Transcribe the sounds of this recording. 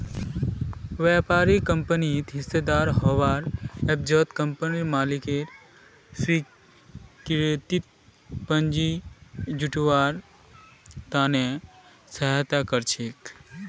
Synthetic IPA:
ʋapaːɾikəmpənit̪ɦised̪aːɾɦɔʋaːɾɛb̚d͡ʒɔt̪kəmpəniɾmaːlikeɾ | si | kɾt̪it̪̚ | pənd͡ʒid͡ʒuʈʋaːɾ | t̪aːne | sɐɦat̪akəɾt͡ʃʰek

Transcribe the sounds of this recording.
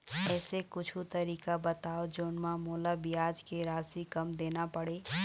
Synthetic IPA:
ɛːsekʊt͡ʃʰut̪əɾikabət̪aod͡ʒonmãmolabijad͡ʒkeɾasikəmd̪enapəɽe

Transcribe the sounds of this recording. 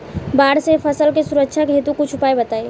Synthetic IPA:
baɽsepʰəsəlkesuɾəkt͡ʃʰakɦet̪ukut͡ʃʰupaebət̪ae

